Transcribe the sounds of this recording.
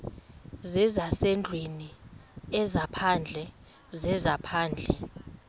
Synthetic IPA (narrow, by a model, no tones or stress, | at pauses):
zɛzasɛnd͡ɮʱweniɛzapʰand͡ɮʱɛ | zɛzapʰaːnd͡ɮʱɛ